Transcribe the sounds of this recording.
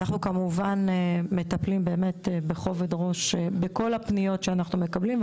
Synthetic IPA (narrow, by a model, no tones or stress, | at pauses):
naχnukamuvanemet̪ɐplimbe̞ːme̞tebeχo̞vedʁo̞ʃbeko̞lapnijo̞tʃeanaχnume̞kɐblim